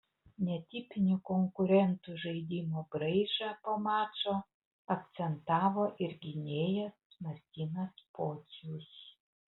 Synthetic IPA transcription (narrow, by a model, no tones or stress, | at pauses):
nʲɛt̪ʲɪpʲɪnʲʊkoŋkʊɾʲɛnt̪uʒɐɪd̪ʲimoɡɾɐɪʒɑpɐmɑːt͡ʃoː | ɐkt̪sʲɛnt̪ɑːʋoːʔɪɾɡʲɪnʲeːjɛ | nɐsʲt̪ʲinɐspoːsʲjuːs